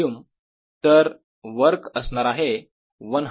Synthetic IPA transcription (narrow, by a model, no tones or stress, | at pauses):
um | t̪əɾ | ʋəɾkəsnaɾaɦe | ʋənɦ